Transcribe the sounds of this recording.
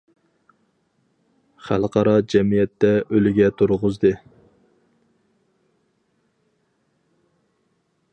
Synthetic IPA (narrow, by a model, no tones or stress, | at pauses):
χælˠqʰɑɾɑd͡ʒɛmijɛt̪ːɛʔølɪɡʲɛt̪ʰuɾʁʊzd̪ɨ